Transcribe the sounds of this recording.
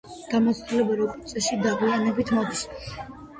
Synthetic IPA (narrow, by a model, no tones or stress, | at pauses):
ɡ̥amɔt̪sd̪ilɛbaɾɔkʼɔt̪sʼɛʃid̪aɡwianɛbit̪ʰmɔd̪is